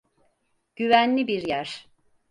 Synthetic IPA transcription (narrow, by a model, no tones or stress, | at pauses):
ɟ̥yvænlʲibiɾjæɾ̥